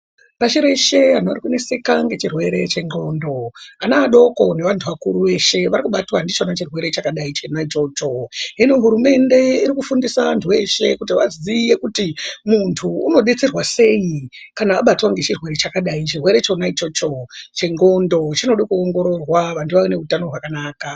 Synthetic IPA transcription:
paʃiɾe̞ʃe̞an̤oa̰rikune̞se̞kaŋɡe̞t͡ʃirwe̞ɾe̞t͡ʃe̞ŋɡo̞ndo̞anaːɗo̞ko̞ne̞ʋantʰuʋakuɾuʋe̞ʃe̞ʋaɾikuɓatwandit͡ʃo̞nat͡ʃirwe̞ɾe̞t͡ʃakaɗait͡ʃe̞nait͡ʃo̞ːt͡ʃo̞ɦenoɦuɾume̞ndeiɾikufundisaʋantʰuʋe̞ʃe̞kut̬iʋazije̞kutimuntʰuːno̞ɗet͡se̞rwase̞ikanaːɓatwaŋɡe̞t͡ʃirwe̞ɾet͡ʃakaɗait͡ʃirwe̞ɾe̞t͡ʃo̞nait͡ʃot͡ʃo̞t͡ʃe̞ŋɡo̞ndo̞t͡ʃino̞ɗkuoŋɡo̞ɾo̞rwaʋantʰuʋaʋene̞utano̞ɦwakanaːka

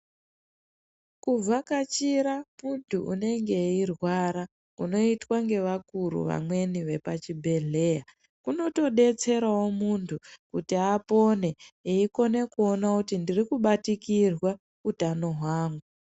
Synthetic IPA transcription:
kub͡vakat͡ʃiɾamuntʰuṵne̞ŋɡe̞irwaɾa | kuno̞itwaŋɡe̞ʋakuɾṵʋa̰mwe̞niʋe̞pat͡ʃibʱe̞ɮe̞ːja | kuno̞to̞ɗe̞t͡se̞ɾao̞muntʰukutiapo̞ne̞eiko̞ne̞kuo̞nakutindirikuɓatikirwa | utano̞ɦwaːŋɡu

